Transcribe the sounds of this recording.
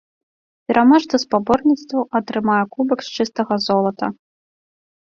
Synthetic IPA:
pʲɛɾʔamaʂt̪ɐspabɔrnʲit̪st̪vɐʔɐt̪ɾɨmajɛkubɐkst͡ʂɨst̪ɐɣɐzɔlˠɐt̪ɐ̰

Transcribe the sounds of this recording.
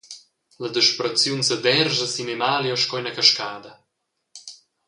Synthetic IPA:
ləd̪əʃpɾɐt͡sjunsəd̪ɛɾʒəsinemaːljoʃkɔjnɐkaʃkaːd̪ɐ

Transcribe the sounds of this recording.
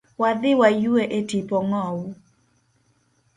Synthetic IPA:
wad̪ɪwajueʔetipɔŋɔwu

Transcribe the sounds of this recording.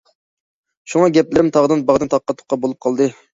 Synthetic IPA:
ʃuŋɑɡʲɛp̚lɪɾɪmt̪ʰɑʁd̪ɨnbɑʁd̪ɨnt̪ʰɑqːɑt̪ʰːʊ̥qːɑbolˠup̚qʰɑlˠd̪ɨ

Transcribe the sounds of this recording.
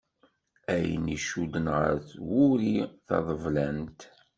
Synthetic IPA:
æjniʃud̪ənʁə̰ɾθwʊɾiθɑ̰ðˤəvlænt̪

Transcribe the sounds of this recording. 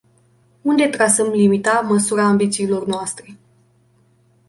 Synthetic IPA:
und̪e̞t̪ɾasəmlimit̪aməsuɾaːmbit̪siːlo̞rnoast̪ɾe̞

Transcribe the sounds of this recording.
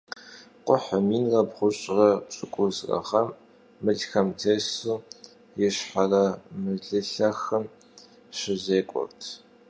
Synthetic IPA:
qʷʊħɐmiːnrɐbʁʷʊɕʼrɐpt͡ʃʼɪkʷʼʊzrɐ̰ʁɐmː | ɨɮxɐmtʰeːsuː | jɛɕħarɐmɨɮɨɬɐxɐm | ɕɪzeːkʷʼɔ̰rtʰ

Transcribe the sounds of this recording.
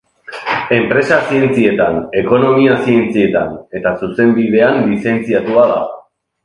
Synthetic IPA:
e̞mpɾe̞sasie̞nt͡sie̞t̪ane̞ko̞no̞miasie̞nt͡sie̞t̪a̰ne̞t̪asuse̞mbiðe̞anlise̞nt͡siat̪uaða̰

